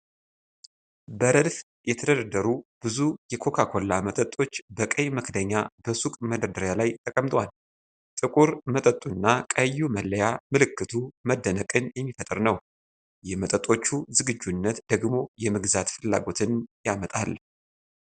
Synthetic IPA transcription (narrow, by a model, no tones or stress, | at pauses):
bəɾədf | jɛt̪ʰəd̪əd̪ad̪əɾubɨzujɛkʰo̞kʰakʰo̞lːamət̪ʼət̪ʼːo̞t͡ʃːbəkʼəjməkʰd̪əɲːabəsukʼməd̪əd̪əɾjalajt̪ʰəkʼəmt̪ʼwal | t̪ʼɨkʼuɾmət̪ʼət̪ʼːunːakʼəjːuməlːəjamɨlɨkːɨt̪ʰuməd̪ːənəkʼɨnjɛmːifət̪ʼɨɾnəw | jɛmət̪ʼət̪ʼo̞t͡ʃːuzɨɡɨd͡ʒːunːət̪d̪̥əɡmo̞jɛmɨɡzat̪fɨlːa̰ɡo̞t̪ʰɨnjamət̪ʼal